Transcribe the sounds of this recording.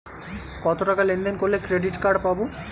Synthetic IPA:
kɔt̪oʈakalend̪enkoɾlekɾeɖiʈkaɾɖpabu

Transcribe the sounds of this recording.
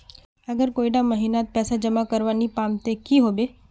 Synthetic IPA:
əɡəɾkoːiɖaməɦinat̪̚pɛːsad͡ʒəmakəɾʋanipamt̪ekiɦobe

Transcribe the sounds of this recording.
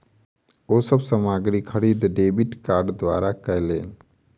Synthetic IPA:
osəbsəmaɡɾikʰːəɽid̪ɖeːbiʈkaɾɖd̪wa̰ːɾakəjleːn

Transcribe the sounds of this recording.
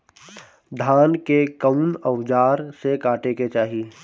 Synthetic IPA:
d̪ʱaːnkekəʊnəwd͡ʒaːɾsekaːʈeket͡ʃaːɦi

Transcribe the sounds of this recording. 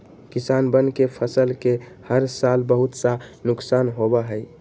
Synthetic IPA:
kisanbənkepʰəsəlke | həɾsalbəɦut̪sanuksanɦobəɦəj

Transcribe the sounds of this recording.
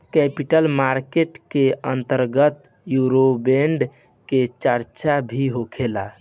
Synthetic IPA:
kɛpiʈəlmaɾkeʈkeənt̪əɾɡət̪ | juɾobeɳɖ | ket͡ʃəɾt͡ʃabʱiɦokʰela

